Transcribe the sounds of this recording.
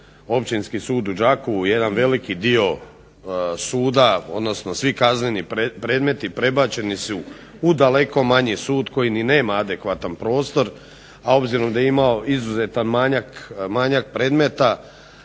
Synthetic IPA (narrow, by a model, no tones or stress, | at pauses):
o̞pt͡ʃinskisuːd̪ud͡ʒakouje̞d̪anʋe̞likid̪io̞ | suːd̪ao̞d̪no̞sno̞sʋikaznenipɾe̞ːd̪me̞t̪ipɾe̞bat͡ɕe̞nisu | ud̪ale̞ko̞maɲisuːd̪ko̞jinine̞ːmaad̪e̞kʋat̪anpɾo̞ːst̪o̞ɾ | ao̞bziɾo̞md̪ajeimao̞izuzet̪anmaɲakmaɲak̚pɾe̞ːd̪me̞t̪a